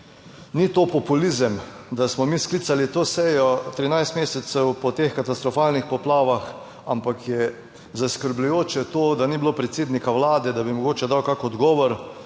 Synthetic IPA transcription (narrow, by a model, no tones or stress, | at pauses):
nit̪opɔpulizəmd̪asmɔmisklit̪salit̪oːsɛjɔt̪ɾinajst̪meːsɛt̪sɛwpɔt̪exkat̪ast̪ɾɔfaːlnixpɔplaːʋax | ampakjɛ | zaskəɾblujoːt͡ʃɛt̪oːd̪anibilopɾɛt̪seːd̪nikawlaːd̪ɛd̪abimɔɡoːt͡ʃɛd̪awkakɔd̪ɡɔːʋɔɾ